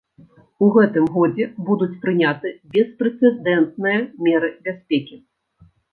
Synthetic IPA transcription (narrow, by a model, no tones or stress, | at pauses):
uɣɛt̪ɨmɣɔd͡zʲɛbud̪ut͡sʲpɾɨnʲat̪ɨbʲɛspɾɛt̪sɛd̪ɛnt̪̚nɨjɐmʲɛɾɨbʲasʲpʲɛkʲi